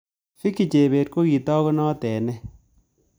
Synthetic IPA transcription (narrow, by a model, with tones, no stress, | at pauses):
fi˦kːi˨t͡ʃe˨be˨t̚ko˦ki˨tɔ˦ɣɔ˦nɔː˦tɛ˨nɛ˦